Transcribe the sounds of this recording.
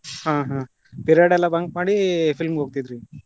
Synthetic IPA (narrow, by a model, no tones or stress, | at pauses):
hãːɦãː | piɾaːɽɛlːabɐŋk̚maːɽifʰilmɡɦoːɡ̚t̪id̪ɾi